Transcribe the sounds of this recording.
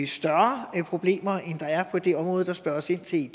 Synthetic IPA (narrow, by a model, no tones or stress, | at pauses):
sd̥ɶɐpʰʁo̝b̥le̝̰ːmɐʔend̥ɑ̈æɐpʰɒ̽d̥e̝ɒ̽mʁɔ̽ːð̩ˠd̥ɑ̈sb̥ɶɐɒ̽se̝n̰t͡sʰe̝̥